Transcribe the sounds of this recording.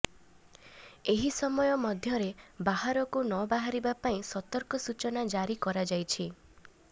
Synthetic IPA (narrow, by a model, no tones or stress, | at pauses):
eɦisɔmɔjɔmɔd̪ʱjɔɾebaɦaɾɔkunɔbaɦaɾibapaĩsɔt̪ɔɾkɔsut͡ʃɔnad͡ʒaɾikɔɾad͡ʒajt͡ʃʰi